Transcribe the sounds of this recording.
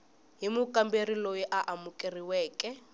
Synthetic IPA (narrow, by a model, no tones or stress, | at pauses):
ɦimukʼamberilojiʔaʔamukʼiriwɛːkʼɛ